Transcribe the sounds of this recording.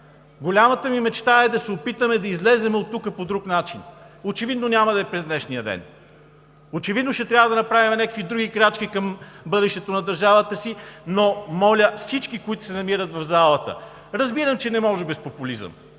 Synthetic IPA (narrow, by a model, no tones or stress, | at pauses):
ɡolʲamɐt̪əmimɛt͡ʃt̪aɛd̪ɐsɛopit̪əmɛd̪ɐizlɛzɛmɛot̪ːukəpod̪ɾuknat͡ʃin | ot͡ʃɛvid̪nonʲamɐd̪ɐɛpɾɛzd̪nɛʃnijəd̪ɛ̰n | ot͡ʃɛvid̪noʃɛt̪ɾʲavəd̪ɐnɐpɾavimɛnʲakəkvid̪ɾuɡikɾat͡ʃk̟ikɐmbɤd̪ɛʃt̪ɛt̪onɐd̪ɐɾʒavət̪əsinomɔlʲəfsit͡ʃkikoit̪ʊ̥sɛnɐmiɾət̪vɐvzalˠət̪ə̰ | ɾɐzbiɾəmt͡ʃɛnɛmɔʒɛbɛspopʊlizə̰m